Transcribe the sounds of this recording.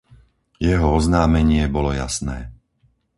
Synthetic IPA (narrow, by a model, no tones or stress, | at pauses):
jɛɦɔɔznaːmɛɲɪɛbɔlɔja̰snɛ̰ː